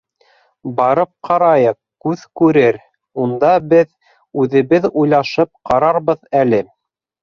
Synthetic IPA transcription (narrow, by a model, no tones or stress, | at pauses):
bɑɾɤp̚qʰɑɾɑjɤq̚kʉðkʉɾɘɾ | und̪ɑbɘð | ʉðɘ̆βɘðujlˠɑʃɤp̚qɑɾɑɾβɤðælɘ